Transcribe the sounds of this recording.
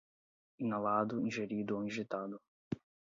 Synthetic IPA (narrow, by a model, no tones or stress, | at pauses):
ĩnalad̪ʊĩʒeɾid̪ʊoĩʒit̪ad̪ʊ